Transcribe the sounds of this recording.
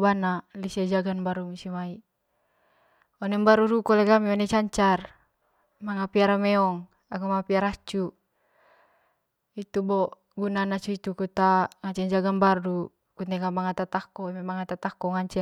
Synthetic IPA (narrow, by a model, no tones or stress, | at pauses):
banalisad͡ʒaɡanbaɾumusimai | ɔnɛmbaɾuɾukɔlɛkamiɔnɛt͡ʃaɲt͡ʃar | maŋapiaɾamɛɔŋ | akamaŋapiaɾat͡ʃu | it̪ubɔ | ɡunanat͡ʃuit̪ukut̪aŋat͡ʃɛɲd͡ʒaɡambardu | kut̪ɛkamaŋat̪at̪akɔmɛmaŋat̪at̪akɔŋaɲt͡ʃɛ